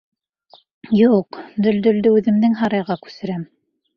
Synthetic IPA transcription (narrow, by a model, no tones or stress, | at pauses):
juqd̪ɵ̆ld̪ɵ̆ld̪ɵʉðɘ̆md̪ɘŋɦɑɾɑjʁɑkʉ̥sɘ̆ɾæm